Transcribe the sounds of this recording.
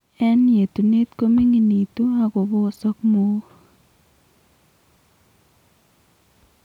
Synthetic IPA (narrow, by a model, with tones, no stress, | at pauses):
ɛ˦nje˨t̪u˨ne˦t̪ko˦mi˦ŋi˨ni˨t̪u˦a˨ko˨bo˦˨sɔ˦kmo˦